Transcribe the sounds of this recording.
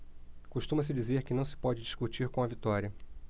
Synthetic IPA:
kuʃt̪ũmɐs̬ɪd͡ʒizeɾkɪnɐ̃w̃sɪ̥pɔd͡ʒɪd͡ʒiʃkut͡ʃiɾkõɐvit̪ɔɾiɐ

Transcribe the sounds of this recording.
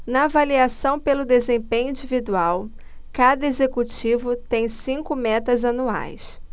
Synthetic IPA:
nɐːvaliasɐ̃w̃pelʊd̪ezẽpẽɲʊ̃ĩd͡ʒivid̪uaw | kad̪ɐezekut͡ʃivʊt̪ẽj̃sĩŋkʊmɛt̪ɐzɐnua̰js

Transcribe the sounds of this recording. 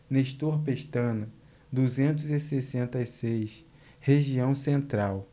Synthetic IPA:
neʃt̪ohpeʃt̪ɐ̃nɐ | d̪uzẽnt̪̬ʊzisesẽnt̪ɐisejs | heʒiɐ̃w̃sẽnt̪ɾaw

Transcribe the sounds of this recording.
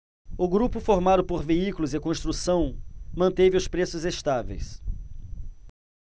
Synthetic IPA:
ʊɡɾupʊfoɾmad̪ʊpoɾveikʊlʊzɪkõst̪ɾusɐ̃w̃mɐ̃nt̪evɪʊspɾesʊzest̪avḛjs

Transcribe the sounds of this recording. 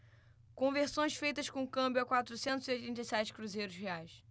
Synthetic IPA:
kõveɾsõj̃sfejt̪ɐʃkõkɐ̃mbjʊakwat̪ɾusẽnt̪ʊziojt̪ẽnt̪ɐjsɛt͡ʃɪ̥kɾuzejɾʊʃheajs

